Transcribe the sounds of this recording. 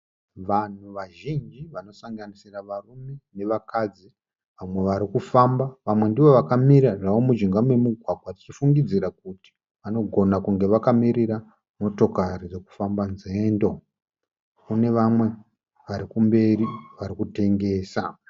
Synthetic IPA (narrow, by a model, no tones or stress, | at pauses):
ʋan̤uʋaʒind͡ʒiʋano̞saŋɡanisiraʋarume̞ne̞ʋakad͡zi | ʋamwe̞ʋaɾikufambaʋamwe̞ndiʋo̞ʋakamiɾaʐaʋo̞mud͡ʒiŋɡamwe̞muɡʱwaɡwatit͡ʃifuŋɡid͡ziɾakuti̥ | ʋano̞ɡʱo̞nakuŋɡe̞ʋakamiɾiɾa | mo̞to̞karid͡ze̞ku̥fambanzeːndo̞ | kune̞ʋamwe̞ | ʋaɾikumbe̞riʋaɾikute̞ŋɡe̞ːsa